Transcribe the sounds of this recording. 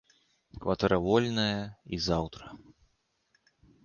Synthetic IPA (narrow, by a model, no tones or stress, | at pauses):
kvɐt̪ɛɾʔɐvɔlʲnɐjɐizawt̪ɾɐ